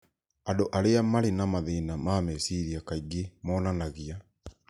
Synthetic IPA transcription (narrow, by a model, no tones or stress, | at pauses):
adoʔaɾeamaɾenamaðeːnamamɛsiɾiakaiɡemɔːnanaɣia